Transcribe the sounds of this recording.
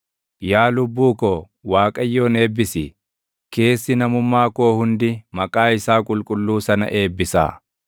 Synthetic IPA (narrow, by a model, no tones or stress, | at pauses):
jaːlʊbːuːkɔ | waːkʼɐjːo̞ːne̞ːbːɪsɪ | ke̞ːsːɪnɐmʊmːaːko̞ːhʊnd̪ɪmɐkʼaːɪsaːkʼʊlkʼʊlːuːsɐnɐ̰ʔe̞ːbːɪsa̰ː